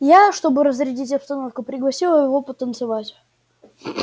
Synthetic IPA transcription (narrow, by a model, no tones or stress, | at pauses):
jaʂt̪o̞bɨɾəzɾʲɪdʲitʲɐpst̪ɐno̞fkʊpɾʲɪɡlˠɐsʲilˠəjɪvo̞pət̪ənt̪sɨvatʲ